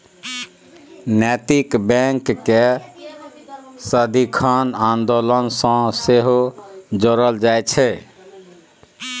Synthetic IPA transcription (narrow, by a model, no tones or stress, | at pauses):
nɛt̪ikbɛ̃ŋkːe | səd̪ikʰanand̪olənsə̃seɦod͡ʒoɾəld͡ʒajt͡ʃʰɛ